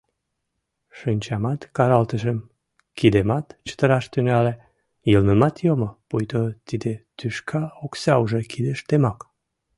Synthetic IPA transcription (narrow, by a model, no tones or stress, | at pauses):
ʃinʲt͡ɕɑmɑt̪kɑɾɑlt̪əʒəm | kid̪emɑt̪t͡ɕə̥t̪əɾɑʃt̪ynæle | jəlnəmɑt̪jomopujt̪ot̪id̪et̪yʃkʰɑoksɑuʒekʰid̪eʃt̪emɑk